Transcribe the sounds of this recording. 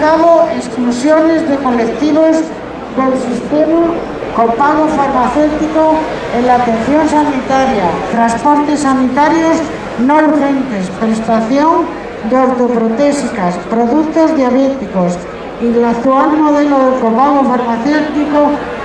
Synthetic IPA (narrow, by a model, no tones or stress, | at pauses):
kaβoesklusjo̞ne̞zðe̞ko̞lekt̪iβos | kelsist̪ema | kopaɣofaɾmaθewt̪iko | elat̪en̟θjo̞nsanit̪aɾjat̪ɾanspo̞ɾt̪e̞sːanit̪aɾjos | noɾxe̞nt̪e̞spɾest̪aθjo̞ŋ | d̪oɾt̪o̞pɾot̪esikaspɾo̞ðukt̪ozðjaβet̪ikos | ilat̪ualmo̞ðe̞loðekopaɣ̞ofaɾmaθewt̪iko